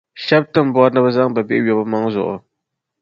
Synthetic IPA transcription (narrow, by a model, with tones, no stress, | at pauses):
ʃa˦b̚tɨ˦mbwa˦ɾnɨ˦bɨ˦za˦ŋba˨bɛ˦˨˦ɥɔ˨bɨ˦ma˦ŋ˦zʊ̰˨ʔʊ̰˨